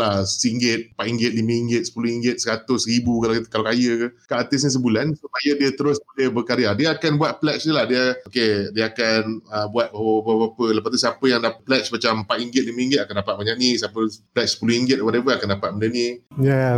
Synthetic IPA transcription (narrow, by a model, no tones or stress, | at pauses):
lahsiŋɡɪt̪̚paʔ̪iŋɡɪt̪̚limə̃iŋɡɪt̪̚sə̥puluhiŋɡɪt̪̚səɾat̪ʊsɾibukalakalakajəkəkaʔːt̪ɪsɲəs̬əbulansupajədiət̪əɾʊsbolebəkaɾiadiəakanbuat̪̚plɛt͡ʃnəlahdiəokediəakanəbuat̪̚bapəbabapələpaht̪usiapəjaŋdapplɛt͡ʃmat͡ʃampaʔ̪iŋɡɪt̪̚limə̃ĩŋɡɪt̪̚akandapat̪̚maɲaʔnĩsiapəplɛt͡ʃsə̥puluiŋɡɪt̪̚wadevəakandapat̪̚mənanija